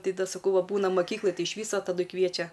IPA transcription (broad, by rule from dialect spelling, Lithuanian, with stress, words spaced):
ˈtɐɪ ˈdɐ sɐˈkɐʊ ʋɐ ˈbuːnɐ mɐˈkʲiːklˠɐj ˈtɐɪ ɪʃ ˈʋʲiːsoː tɐˈdʊɪ ˈkʋʲiɛt͡ʃʲɛ